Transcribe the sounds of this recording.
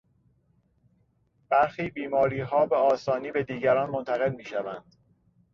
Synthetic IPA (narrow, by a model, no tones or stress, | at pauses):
b̥æɾxiːbiːmɒːɾiːɦɒːbeɒːsɒːniːbe̞d̪iːɟæɾɒːnmont̪ʰæɣe̞lmiːʃævænd̪̥